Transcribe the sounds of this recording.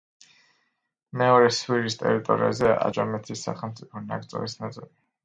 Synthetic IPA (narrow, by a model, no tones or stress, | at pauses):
mɛɔɾɛswiɾist̪ʼɛ̰ɾit̪ʼɔɾḭazɛa̰d͡ʒʼamɛt̪ʰisːa̰χɛlˠmt̪sʼipʰɔna̰ɡt̪sʼɔ̰lisnat̪sʼili